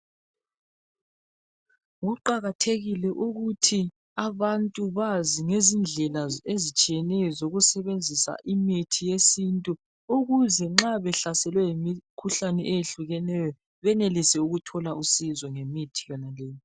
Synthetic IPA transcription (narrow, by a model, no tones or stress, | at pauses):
ɣuǃaɣatʰeɣilɛʔuɣutʰi | aβantʼuβaziŋezind͡ɮʱɛlaezit͡ʃʼijɛnɛjɔzoɣusɛβend͡zʱisa̰ʔimitʰijesintʼu | uɣuzɛŋ͡ǁaβɛɬasɛlwɛjimikʰuɬanɛʔejeɬuɣɛnɛjɔ | βɛnelisɛuɣutʰɔlausizɔŋemitʰijɔnalɛːjɔ